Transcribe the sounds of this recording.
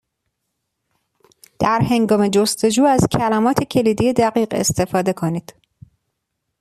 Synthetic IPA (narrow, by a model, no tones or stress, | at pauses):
d̪̥æɾhe̞ŋɡɒːme̞d͡ʒost̪e̞d͡ʒuːæzcʰælæmɒːt̪ʰe̞cʰe̞liːd̪ije̞d̪æɡiːɢe̞̰st̪e̞fɒːd̪e̞kʰo̞niːd̪̥